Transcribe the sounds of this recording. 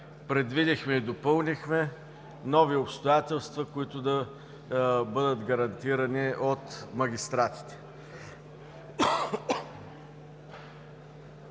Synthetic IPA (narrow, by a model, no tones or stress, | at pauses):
pɾɛd̪vid̪ixmɛid̪opɤlˠnixmɛ | nɔviopst̪ojat̪ɛlˠst̪vɐkʊit̪ʊd̪ɐ | bɤd̪ət̪ɡɐɾɐnt̪iɾɐniʔot̪mɐɡʲist̪ɾat̪i̥t̪ɛ̥